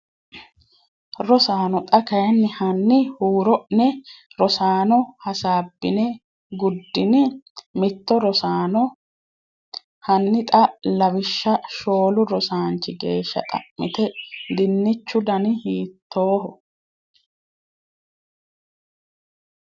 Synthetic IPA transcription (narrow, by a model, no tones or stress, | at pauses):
ɾɔsaːnɔt̪ʼɐkɐjɛnːɪhɐnːɪhuːɾɔʔnɛɾɔsaːnɔhɐsaːbːɪnɛ | ɡʊd̪ːɪnɪmɪt̪ːɔɾɔsaːnɔ | hɐnːɪt̪ʼɐlɐbɪʃːɐʃo̞ːlʊɾɔsaːnt͡ʃːɪɡeːʃːɐ̰t̪ʼɐ̰ʔːɪt̪ɛd̪ɪnːɪt͡ʃːʊd̪ɐnɪhiːt̪ʰːoːɦɔ